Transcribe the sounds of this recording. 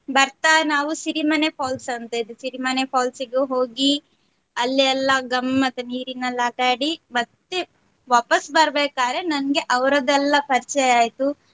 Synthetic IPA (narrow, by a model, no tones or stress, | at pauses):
bɐɾt̪aːnaːʋusiɾimɐnepʰaːlsɐnt̪ɐid̪esiɾimɐnepʰaːlsiɡeɦo̞ːɡi | ɐlːiɛlːɐɡɐmːɐt̪ːeniːɾinɐlːaːʈaːɽimɐt̪ːe | ʋaːpɐsbɐɾbeːkaːɾe̞nɐnɐɡe̞ʔɐʋɾɐd̪ɛlːɐpɐɾt͡ʃɐjaːjt̪u